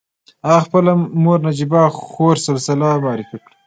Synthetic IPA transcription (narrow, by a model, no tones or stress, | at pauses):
aɣɑxpəlamoɾnad͡ʒibɑxoɾsabsɪlɑmɑːɾɪfikɽi